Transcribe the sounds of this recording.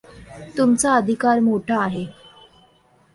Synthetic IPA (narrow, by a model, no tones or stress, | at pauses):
t̪umt͡saəd̪ʱikaɾmoʈʰaːɦe